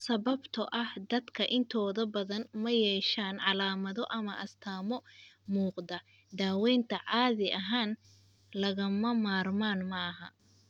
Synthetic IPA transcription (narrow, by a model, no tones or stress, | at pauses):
sɐβɐbt̪ʰɐʔɐhd̪ɐd̪kʰɐʔɪnt̪ʰɔːðɐbɐðɐnmɐjɛːʃaːnʕɑlaːmɐðɔʔɐmɐʔɐst̪ʰaːmɔmuːqd̪ɐ | d̪aːwɛːnt̪ʰɐʕɑːðɪʔɐɦaːn | lɐɣɐmɐmaːrmaːnmɐɦɐ̰